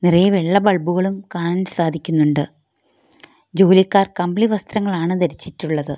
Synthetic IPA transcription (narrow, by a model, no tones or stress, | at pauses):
nirɐjɐʋeɭːɐbɐɭbuɣɐɭumkaːɳaːlsaːd̪ʱikʲːunːuɳɖɨ | d͡ʑo̞ːlikːaːrkɐmbliʋɐst̪rɐŋːɐɭaːɳɨt̪ɐɾit͡ɕːitːuɭːɐðɨ